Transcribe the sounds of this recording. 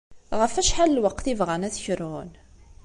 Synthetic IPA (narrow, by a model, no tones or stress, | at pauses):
ʁəfæʃħallwəqːθivʁənæθçɾʊn